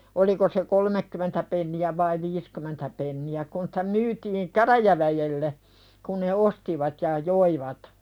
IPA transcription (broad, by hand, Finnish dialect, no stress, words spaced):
oliko se kolmekːymentæ penːiæ ʋɑi ʋiːskymentæ penːiæ kun si̥tæ myːtiːŋ kæræjæʋæjelːe kun̆ ne ostiʋɑt jɑ joiʋɑt